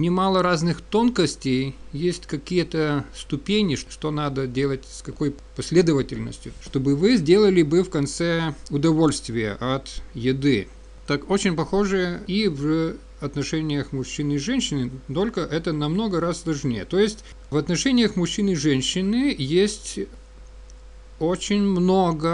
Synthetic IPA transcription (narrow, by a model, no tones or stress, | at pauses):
nʲɪmalˠəɾaznɨxt̪o̞nkəsʲtʲejjesʲtʲkɐkʲijət̪əst̪ʊpʲenʲɪʂʂt̪o̞nad̪ədʲelˠətʲskɐko̞j | pɐsʲlʲed̪əvətʲɪlʲnə̰sʲtʲjʊʂt̪o̞bɨvɨzʲdʲe̞lˠəlʲɪbɨfkɐnt̪sɛʊd̪ɐvo̞lʲst̪vʲɪjə̰ʔɐt̪jɪd̪ɨ | t̪ako̞t͡ɕɪnʲpɐxo̞ʐɨəiv | ɐt̪nɐʂɛnʲɪjəxmʊɕːinɨɪʐɛnʲɕːɪnɨt̪o̞lʲkəʔɛt̪ənɐmno̞ɡəɾasːlˠɐʐnʲejət̪o̞jɪsʲtʲ | vɐt̪nɐʂɛnʲɪjəxmʊɕːinɨʐɛnʲɕːɪnɨjesʲtʲ | ot͡ɕɪnʲmnoɡə